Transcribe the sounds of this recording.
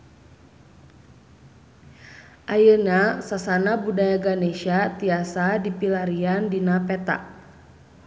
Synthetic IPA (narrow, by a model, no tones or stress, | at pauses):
ʔajənasasanabudajaɡaneʃat̪iasadipilaɾiandinapɛt̪a̰ʔ